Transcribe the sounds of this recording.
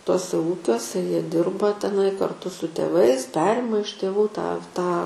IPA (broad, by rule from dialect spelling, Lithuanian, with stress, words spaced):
ˈtuɔsʲɛ ˈuːkʲuɔsʲɛ ˈjiɛ ˈdʲɪrbɐ tʲɛˈnɐɪ kɐrˈtʊ sʊ tʲeːˈʋɐɪs ˈpʲæːrʲɪmɐ ɪʃ tʲeːˈʋuː tɑː tɑː